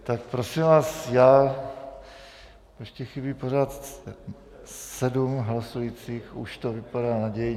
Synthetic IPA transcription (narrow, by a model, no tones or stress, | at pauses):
t̪akpɾo̞simvaːsjaː | ɛʃcɛxɪbiːpo̞ɾaːt̪ | sɛdumɦlasujit͡siːxuʃt̪o̞vɪpadaːnaɟɛj